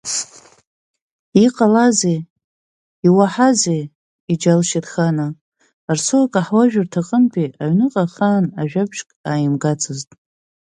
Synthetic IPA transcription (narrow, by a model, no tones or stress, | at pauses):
iqʼalaze | iwaħaze | id͡ʒalʃɪrxanaː | rsoakʼaħwaʒᶣartʰaqʼənpʰʼiʔaɥnɨqʼaχaːnaʒᶣabʒkʼaːjɪmɡat͡sʰɨztʼ